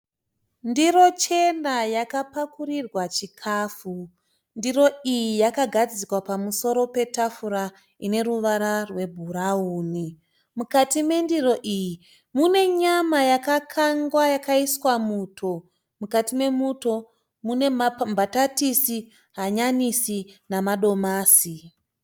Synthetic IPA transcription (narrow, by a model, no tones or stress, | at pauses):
ndiɾo̞t͡ʃe̞najakapakurirwat͡ʃikʰaːfu | ndiro̞ijijakaɡʱad͡zikwapamuso̞ɾo̞pe̞tafuɾa | ine̞ruʋaɾarwe̞bʱuɾauːni | mukatime̞ndiro̞ʔiji | mune̞ɲamajakakʰaŋɡwajakaiswamuːtʰo̞ | mukatime̞muto̞ | mune̞mbatatisi | ɦaɲanisinamaɗo̞maːsi